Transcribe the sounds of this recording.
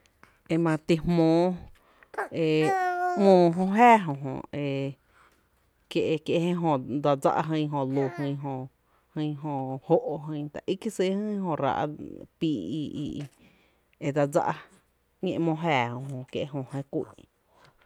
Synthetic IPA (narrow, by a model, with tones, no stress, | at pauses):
e˧mã˧t̪i˧hmõː˧˦ | e˧mõː˧ɦõ˧ɦæː˦˨ɦõ˧˨ɦõ̰˧˨e˧ | kje˧ʔe˧kje˧hẽ˦ɦõ˧d͡za˧d͡za̰˧ʔa˧ɦə̃˧˦˧ɦõ˧˨lu˧˨hɨ̃˧˦ɦõ˧ | hɨ̃˧˦ɦõ˧˨ho˦ʔo˧ɦɨ̃˧˦t̪a̰˨ʔi˦ki˦si˦hə̃˦ɦõ˧˨ɾa̰˧ʔa̰˦piː˧˨ḭ˧ḭ˧ | e˧d̪a˧d͡za̰˦ʔa˧ | ŋḛ̃˧ʔmõː˧ɦæː˧˨hõ˧ɦõ˧˨kjḛ˧ʔɦõ˧˨hẽ˧kʷḭ˦˧˨